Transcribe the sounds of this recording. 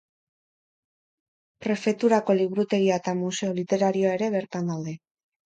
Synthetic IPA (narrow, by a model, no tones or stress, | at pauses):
pɾe̞fe̞t̪uɾako̞liβuɾut̪e̞ɾiaet̪amuse̞o̞lit̪e̞ɾaɾio̞ae̞ɾe̞βe̞ɾt̪and̪aw̪d̪e̞